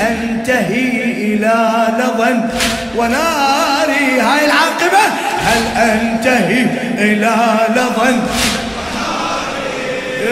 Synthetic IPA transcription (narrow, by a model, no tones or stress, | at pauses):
ʔan | t̪aɦiʔɪlaːlɑðˤɑn | wanaɾiɦaːjɪlʕɑːqɨba | halʔant̪ahi | ʔɪlalɑðˤɑn